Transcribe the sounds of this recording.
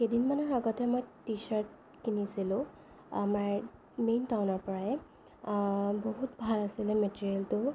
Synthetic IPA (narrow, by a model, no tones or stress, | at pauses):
xedinmanɔɹaɡɔtɛmojtisaɹt̚ | kinisilʊ̃ | amaɹ | mejntawnɔɹpɔɹaɛ | boɦutbʱalasilɛmetiɹialtʊ